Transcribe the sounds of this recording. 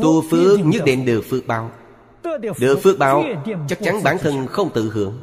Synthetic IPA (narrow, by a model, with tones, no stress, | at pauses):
t̪u˧˩fɨ˧˥ɲɨ˦˥k̚ɗḛ˧˩nɗɨ̰˨˩əfɨ˧ək̚ɓaː˧˩w | ɗɨ̰˧˩əfɨ˧˥ək̚ɓaː˧˩wt͡ɕa˦˥k̚t͡ɕa˨˦nɓaː˧˩nt̪ʰə˧˩nxə˧wŋ͡mt̪ɨ̰˧˨ɦɨ̰˧˩əŋ